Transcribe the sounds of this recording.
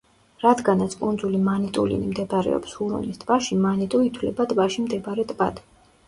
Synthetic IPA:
ɾad̪ɡanat̪sʰkʼund̪zulimanit̪ʼulḭnimd̪ɛbaɾɛ̰ɔ̰pshuɾṵnist̪ʼvaʃimanit̪ʼuit̪ʰwlɛbat̪ʼvaʃimd̪ɛbɾɛt̪ʼba̰d̪

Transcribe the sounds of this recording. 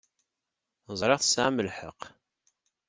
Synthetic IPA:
zˤɾˤeʁθə̥sʕaməlħə̰q

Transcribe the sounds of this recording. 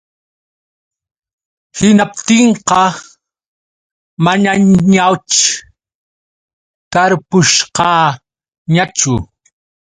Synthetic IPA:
hɪnap̚t̪ɪɴqɑ | maɲaɲawt͡ʃ | kaɾpʊʃqɑ | ɲat͡ʃʊ

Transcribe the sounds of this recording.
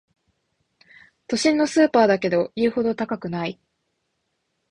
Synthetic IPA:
t̪o̞ɕĩnːo̞sɨːpaːd̪ake̞d̪o̞iːho̞d̪o̞t̪akakɯ̟nai

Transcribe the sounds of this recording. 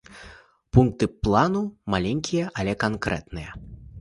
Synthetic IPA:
punk̚t̪ɨplˠanumalʲenʲkʲijɐʔɐlʲɛkankɾɛ̰t̪nɨjɐ

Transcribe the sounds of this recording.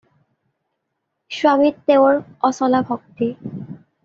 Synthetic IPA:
ʃwamiɾt̪eoɾɔsɔlabʱok̚t̪i

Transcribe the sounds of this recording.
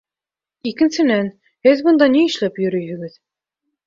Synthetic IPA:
ikɘ̆nsɘ̆næn | hɘðbɤ̆nd̪ɑniɘ̆ʃlæpjɵ̆ɾɵjhɘ̆ɡɘð

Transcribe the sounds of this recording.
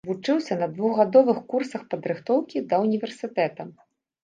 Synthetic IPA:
vut͡ʂɨwsʲɐnɐd̪vuɣɣad̪ɔvɨxkursɐxpɐd̪ɾɨxt̪ɔwkʲid̪ɐunʲivʲɛrsɨt̪ɛt̪ɐ

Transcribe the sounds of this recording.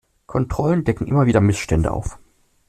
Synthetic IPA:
kʰɔntʁ̥ɔləndɛkŋ̩ʔɪmɐviːdɐmɪsʃtɛndə̰ʔa̰ʊf

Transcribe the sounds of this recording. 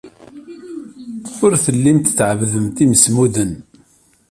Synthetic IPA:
ʊɾθəlːimt̪t͡sːʕəvðəmt̪iməsmuðən

